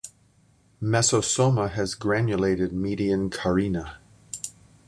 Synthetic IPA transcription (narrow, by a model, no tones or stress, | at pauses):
mɛsosoməəzɡɹænjuleɪɾɪd̚miːɾiə̃nkʰəɹinə